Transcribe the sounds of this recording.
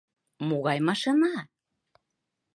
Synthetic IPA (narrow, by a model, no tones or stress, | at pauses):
moɣɑjmɑʃɤ̆nɑ